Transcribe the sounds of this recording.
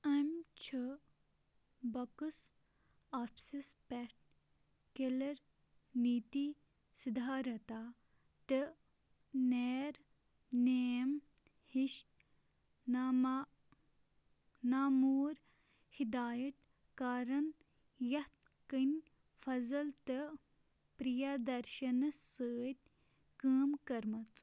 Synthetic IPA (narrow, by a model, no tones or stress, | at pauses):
ɐmt͡ʃʰɨ | bɐkɨs | aːpʰsispɛʈ̚ | kelɐɾ | niːt̪i | sid̪ʱaːɾɐt̪a | t̪e | neːɾ | nem | hiʃ | n | naːmuːɾ | hid̪aːjɐt̪ | kaːɾɐn | jɐt̪ | kənʲ | fʰɐzɐlt̪ɨ | pɾijad̪ɐɾʃɐnɐsəːt̪̚ʲ | kəːmkɐɾmɐt͡s